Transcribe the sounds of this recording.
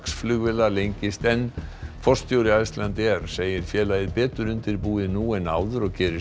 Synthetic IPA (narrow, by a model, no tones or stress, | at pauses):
ksflʏɣvɛlalejɲcɪst̪ɛnfɔrst̪ʰjoːwɾɪajst̪lant̪ɪɛɾ̥seːjɪɾ̥fjɛːlajɪðpɛːt̪ʏɾʏnt̪ɪɾpuːðɪnuːɛna̰ːwðʏɾɔɣcʰɛːɾɪ